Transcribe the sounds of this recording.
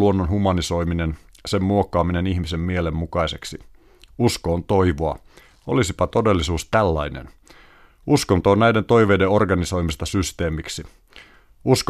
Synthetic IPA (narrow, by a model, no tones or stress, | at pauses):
uo̞nːonɦumɑniso̞jminen | se̞mmuo̞kːɑːmine̞niçmise̞mːiele̞mːukɑjse̞ksi | usko̞ːnt̪o̞jʋoɑ | o̞̰lisipɑt̪o̞delːisuːst̪ælːɑjnḛn | uskont̪oːnnæjde̞nt̪o̞jʋe̞jdeo̞rɡɑniso̞jmist̪ɑsyst̪e̞ːmiksi | usk